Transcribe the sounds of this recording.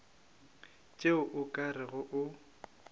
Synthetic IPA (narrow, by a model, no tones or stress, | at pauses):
t͡ʃʼeʊʔʊkʼarɪɣʊʔʊ